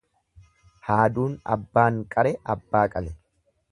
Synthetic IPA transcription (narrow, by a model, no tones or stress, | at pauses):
haːd̪uːnɐ̰bːaːŋkʼɐɾɛɐbːaːkʼɐlɛ